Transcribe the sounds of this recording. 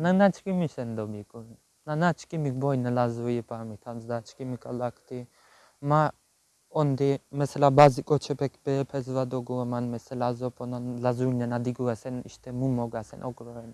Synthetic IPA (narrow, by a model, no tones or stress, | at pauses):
nanat͡ʃʰkimisɛnd̪obikʼun | nanat͡ʃʰkʼimikbɔjnalazujipʰʼamit̪ʰamzd̪at͡ʃʰkʼimikʼalakt̪i | ma | ɔnd̪imɛsɛlabazikʼɔt͡ʃʰɛpʰɛkbɛpʰɛzvad̪oɡuamanmɛsɛlazɔpʰʼonanlazunanad̪iɡuasɛnḭʃt̪ɛmumoɡasɛ̰nʔoɡɾoɛn